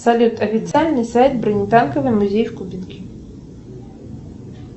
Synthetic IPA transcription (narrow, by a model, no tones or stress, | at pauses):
sɐlʲut̪ɔfʲit̪t͡s̪ʲialʲnijsajt̪̚bɾɪnʲit̪ɑnkɔʋɪjmʊzʲijwkʊbʲinkʲi